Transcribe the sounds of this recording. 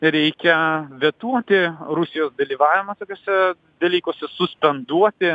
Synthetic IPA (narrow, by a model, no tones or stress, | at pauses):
ɾʲɛɪkʲɛʋʲit̪uɔt̪ʲɪɾʊsʲɪjoːsd̪ɐlʲiːʋɑːʋʲɪmɐt̪oːkʲoːsʲɛ | d̪ɐlʲiːkoːsʲɛsʊsʲpʲɛnd̪uɔt̪ʲɪ